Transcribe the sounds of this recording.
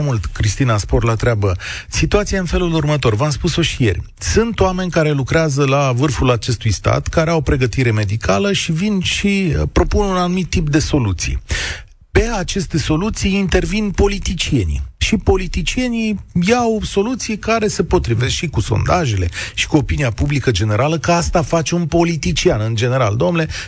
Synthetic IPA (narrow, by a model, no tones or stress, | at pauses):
mult̪kɾist̪inasporlat̪ɾeabə | sit̪uat̪sijaɨnfe̞lulurmət̪o̞rvamspuso̞ʃije̞̰rʲ | sunt̪oame̞nʲkaɾe̞lukɾeazəlavɨrfulat͡ʃe̞st̪ujst̪a̰t̪kaɾeawopɾe̞ɡət̪iɾe̞me̞d̪ikʰaləʃivinʃipɾo̞pununanumit̪ːip̚d̪e̞so̞lut̪sḭj | pe̞at͡ʃe̞st̪e̞so̞lut̪sijint̪e̞rvinpo̞lit̪it͡ʃie̞nḭʃipo̞lit̪it͡ʃie̞nijawso̞lut̪sijkaɾe̞se̞po̞t̪ɾive̞sʃikuso̞̰nd̪aʒe̞le̞̰ʃi̥kuo̞piniapublikəd͡ʒe̞ne̞ɾaləkəast̪afat͡ʃe̞unpo̞lit̪it͡ʃianɨnd͡ʒe̞ne̞ɾa̰ld̪o̞mnle̞